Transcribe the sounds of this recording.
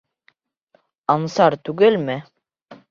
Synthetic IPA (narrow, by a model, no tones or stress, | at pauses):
ɑnsɑɾt̪ʉɡɘlmɘ